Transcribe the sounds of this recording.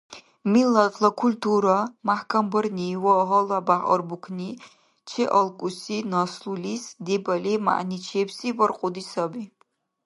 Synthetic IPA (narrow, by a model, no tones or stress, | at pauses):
milːɐt̪ʰlɐkʰulʲt̪ʰuɾɐmaħkʰɐmbɨrniwɔɦɔlˠabaħɔ̰rbukʰni | t͡ʃʰɛʔɐlˠkʼusinɐslulisd̪ɛbɐlima̰ʔnit͡ʃʰɛbsivɔrqʼʊd̪isɐbi